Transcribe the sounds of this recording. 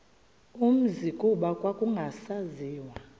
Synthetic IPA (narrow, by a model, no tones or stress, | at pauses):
um̩zikʼuɓakʼwakʼuŋɡʱasaziːwa